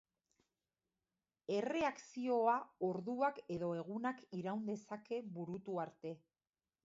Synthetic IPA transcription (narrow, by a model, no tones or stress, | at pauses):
e̞re̞aksio̞ao̞ɾðuake̞ðo̞e̞ɣ̞unakiɾawnd̪e̞sake̞βuɾut̪uaɾt̪e̞